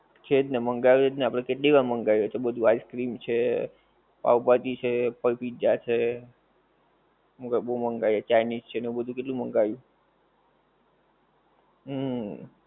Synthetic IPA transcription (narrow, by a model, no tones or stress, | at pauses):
t͡ʃʰet̪neməŋɡajoet̪neapɽ̃ekeʈliʋaməŋɡajot͡ʃʰebəd̪ʱuaiskɾimt͡ʃʰe | pa̰wpat̪it͡ʃʰepəpid͡ʒat͡ʃʰe | mukbũməŋɡajet͡ʃajnist͡ʃʰenebəd̪ʱũkeʈlũməŋɡajũ | ɦ